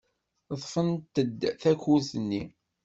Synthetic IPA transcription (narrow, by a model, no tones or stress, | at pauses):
ðˤfənt̪əd̪θækuzənːi